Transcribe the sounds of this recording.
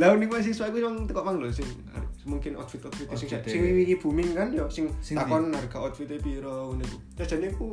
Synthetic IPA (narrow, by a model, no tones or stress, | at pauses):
launikwajs̬ɪŋsuaikumaŋt̪əkɔʔmaŋlɔsɪŋ | a̰ɾmuŋkɪnʔɔ̰t̪fit̪ɔt̪fit̪sɪŋssɪŋiwikib̥ṳmɪŋkanjɔsɪŋt̪akɔnarɡa̤ɔt̪̚fit̪epiɾɔuniku | t͡ʃḁd͡ʒ̥aneku